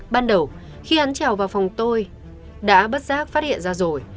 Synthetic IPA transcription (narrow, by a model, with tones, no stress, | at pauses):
ɓaː˧nɗə˨˩w | xi˧ʔa˨˦nt͡ɕɛ˨˩wvaː˨˩wfa˨˩wŋ͡mt̪o˧j | ɗa̰ː˧˥ɓə˦˥t̚zaː˦˥k̚faː˦˥t̚hḭ˧˨ənzaː˧zo˨˩j